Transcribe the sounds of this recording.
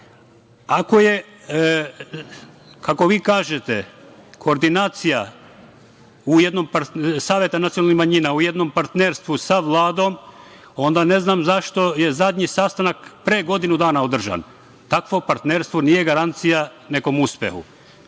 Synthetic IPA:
ako̞je̞ | kako̞ʋiːkaːʒet̪ekʰo̞ːɾd̪inaːt̪sija | ujed̪no̞mpaɾsaːʋje̞t̪anat̪sijonalnihmaɲiːnauje̞d̪no̞mpaɾt̪neɾst̪ʋusaʋlˠaːd̪o̞m | o̞nd̪ane̞znaːmzaʃt̪o̞je̞zad̪ʲɲisast̪anakpɾeːɡo̞d̪inud̪aːnaod̪r̩ʒa̰n | t̪akʋo̞paɾt̪neɾst̪ʋoniːje̞ɡaɾant̪sija | ne̞ko̞muspḛhṵ

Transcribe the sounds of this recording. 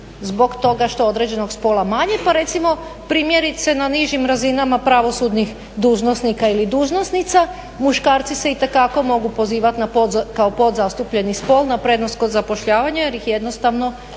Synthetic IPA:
zbo̞ɡt̪o̞ɡaʃt̪o̞o̞d̪ɾe̞d͡ʑe̞noɡspo̞lamaɲepaɾe̞t̪simo̞pɾimjeɾit̪senaniʒimɾazinamapɾaʋo̞sud̪nix | d̪uːʒno̞snikailid̪uːʒnosnit̪sa | muʃkaːɾt̪siseit̪e̞kako̞mo̞ɡupo̞ziːʋat̪napkaopo̞d̪zast̪upʎe̞nispo̞lnapɾe̞d̪no̞sko̞d̪zapo̞ʃʎaːʋaɲajeɾjixje̞d̪no̞st̪aʋno̞

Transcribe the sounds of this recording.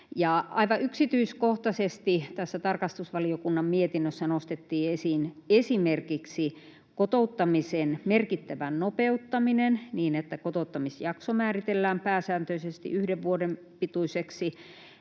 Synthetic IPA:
jɑɑiʋɑʔyksit̪yiskoht̪ɑsest̪it̪æsːæt̪ɑrkɑst̪usʋɑliokunːɑmmiet̪inːøsːænost̪et̪ːiːesinesimerkiksi | kot̪out̪ːɑmisenmerkit̪ːæʋænnopeut̪ːɑminenniːnet̪ːækot̪out̪ːɑmisjɑksomæːrit̪elːæːmpæːsæːnt̪øisest̪ḭʔyhdeʋʋuodem | pit̪uiseksi

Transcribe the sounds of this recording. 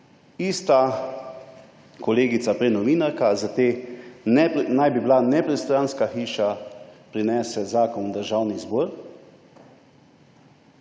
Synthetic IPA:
iːst̪a | kɔleːɡit̪sapɾɛnɔʋiːnaɾkazat̪eː | najbiblanɛpɾɛst̪ɾanskaxiːʃapɾinɛːsɛzaːkɔnd̪əɾʒawnizbɔːɾ

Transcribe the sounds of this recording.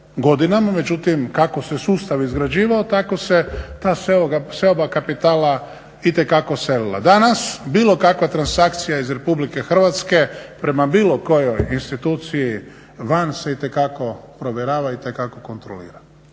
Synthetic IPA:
ɡo̞d̪inamame̞d͡ʒut̪imkako̞se̞suːst̪aʋizɡɾad͡ʑiːʋaot̪ako̞se̞t̪aːseoaseobakapit̪aːla | it̪e̞kako̞se̞lila̰d̪anasbiːlo̞kakʋat̪ɾansak̚t̪sijaizɾe̞publike̞xr̩ʋat̪ske̞pɾe̞mabiːlo̞ko̞jojinst̪it̪uːt̪siji | ʋanse̞it̪e̞kako̞pɾo̞ʋjeɾaːʋait̪e̞kako̞ko̞nt̪ɾo̰lḭːɾa

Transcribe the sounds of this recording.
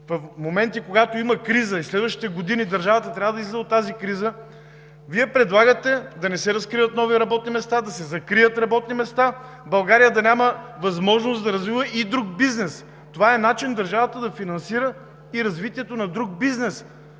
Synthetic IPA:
vɐfmomɛnt̪ikoɡat̪oiməkɾizəislɛd̪vəʃt̪it̪ɛɡod̪inid̪ɐɾʒavət̪ət̪ɾʲavəd̪ɐislɛzɛot̪ːazikɾizə | viɛpɾɛd̪lˠaɡət̪ɛd̪ɐnɛsɛɾɐskɾivət̪nɔviɾɐbɔt̪̚nimɛst̪ad̪ɐsɛzɐkɾiət̪ɾɐbɔt̪nimɛst̪a | bɐlˠɡaɾijəd̪ɐnʲaməvɐzmɔʒnosd̪ɐɾɐzvivəʔid̪ɾuɡ̚biznɛs | t̪ovaɛnat͡ʃind̪ɐɾʒavət̪əd̪ɐfinɐnsiɾə | iɾɐzvit̪iɛt̪onɐd̪ɾuɡ̚biznɛs

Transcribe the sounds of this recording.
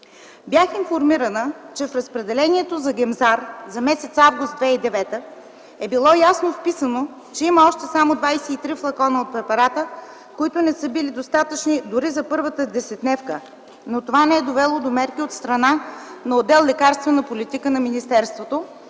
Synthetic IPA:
bjaxinfoɾmiɾənət͡ʃɛfɾəspɾɛd̪ɛlɛniɛt̪ozɐɡɛmzaɾzɐmɛsɛt̪savɡʊst̪d̪vɛid̪ɛvɛt̪ə | ɛbilˠɔjasnofpisəno | t͡ʃɛiməɔʃt̪ɛsamod̪vajsɛit̪ɾiflˠɐkɔnəot̪̚pɾɛpɐɾat̪ə | koit̪onɛsɤbilid̪ost̪at̪ət͡ʃnid̪ʊɾizɐpɤɾvət̪əd̪ɛsɛt̪nɛfkə | not̪ovanɛɛd̪ovɛlˠod̪omɛɾkiot̪st̪ɾɐnanɐod̪ːɛlˠlɛkaɾst̪vɛnɐpolit̪ikənɐminist̪ɛɾst̪vot̪o

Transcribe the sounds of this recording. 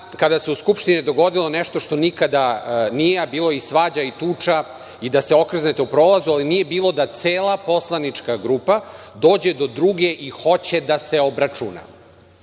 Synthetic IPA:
kad̪ase̞uskupʂt̪inid̪o̞ɡo̞d̪ilˠo̞neʃt̪o̞ʃt̪o̞nikad̪anijebiːlˠo̞isʋaːd͡ʑait̪uːt͡ʂa | id̪ase̞o̞kr̩znet̪eupɾo̞ːlazualinije̞biːlˠo̞d̪at̪seːlapo̞slˠanit͡ʂkaɡɾupad̪o̞ːd͡ʑe̞d̪o̞d̪ɾuɡe̞ʔixo̞t͡ɕe̞d̪aseo̞bɾat͡ʂuna̰

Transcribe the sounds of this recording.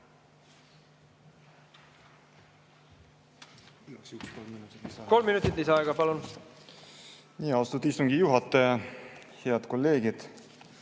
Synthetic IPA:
sykskolinut̪ːt̪iko̞lmːinut̪ˑit̪liseɑeɡɑpɑlun | niːɑost̪ut̪ist̪uŋɡ̥ijuɦɑt̪ːˑeɑ | heɑd̪̥ko̞lːe̞ːɡ̥id̪̥

